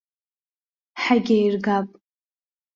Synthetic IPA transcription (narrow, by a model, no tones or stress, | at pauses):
ħaɡʲajrɡapʼ